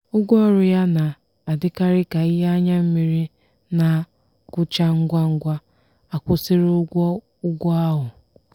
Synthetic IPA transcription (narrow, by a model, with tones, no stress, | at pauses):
ʊ˦ɡʷɔ˦˨ɾʊ˨ja˦na˨ | a˨dɪ˦ka˦ɾɪ˦ka˨ɪ˦ɦe˦a˦ɲa˦m̩˦mi˨ɾi˦ | na˨ | kʊ˦t͡ʃa˦ŋ̩˦ɡʷa˦ŋ̩˦ɡʷa˦ | a˨kʷʊ˦sɪ˦ɾʊ˦ɡʷɔ˦ | ʊ˦ɡʷɔ˦a˦ɦʊ˨